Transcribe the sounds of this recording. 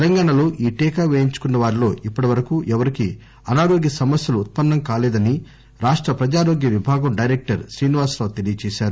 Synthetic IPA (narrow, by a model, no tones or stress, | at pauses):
t̪elɐŋɡaːɳɐlo̞ːʔiːʈɛːkaːʋeːjiɲt͡ʃu̥kunːɐʋaːɾilo̞ːʔipːɐʈiʋɐɾɐkuːʔɛʋɐɾiki | ɐnaːɾo̞ːɡjɐsɐmɐsjɐluːt̪̚pɐnːɐmkaːlɛːd̪ɐni | ɾaːʂʈɾɐpɾɐd͡ʒaːɾoːɡjɐʋibʱaːɡɐmɖɐjɾek̚ʈɐɾsɾiːniʋaːsɾaːʋt̪elijɐt͡ʃeːʃaːɾu